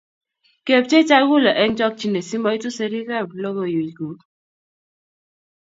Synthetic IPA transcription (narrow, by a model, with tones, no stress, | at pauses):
ke˨p̚t͡ʃe˦t͡ʃa˦ɡu˦la˨ʔɛ˦ŋt͡ʃɔ˦k̚t͡ʃi˦ne˨si˦ma˦i˦tu˦se˦ɾi˦ka˦˨blo˦ɡo˨ju˨d͡ʒɡu˨